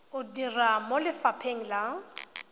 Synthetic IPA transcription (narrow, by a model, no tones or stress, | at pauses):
ʊdiramolɪfapʰeŋ̩la